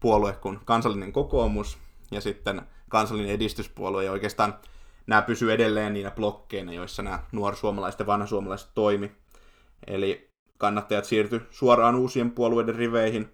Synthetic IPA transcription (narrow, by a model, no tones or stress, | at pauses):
puoluekkunkɑnsɑlːineŋkokoːmus | jɑsit̪ːen | kɑnsɑlːineedist̪yspṵoluejoikeːst̪ɑːnnæːpysyedelːeːnniːnæplokːeinɑjoisːɑnæːnuorsuomɑlɑiset̪jɑʋɑnhɑsuomɑlɑise̥t̪t̪oimi | ḛli | kɑnːɑt̪ːɑjɑt̪siːrt̪ysuorɑːnuːsiempuoluoiderriʋeihin